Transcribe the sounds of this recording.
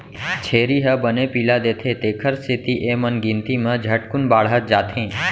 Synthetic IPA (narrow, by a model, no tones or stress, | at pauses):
t͡ʃʰeːɾiɦəbənepiːlad̪eːt̪ʰet̪eːkʰəɾsɪt̪iʔemənɡɪ̃nt̪imə̃d͡ʒʱəʈkʊnbaːɽɦət̪̚d͡ʒaːt̪ʰẽː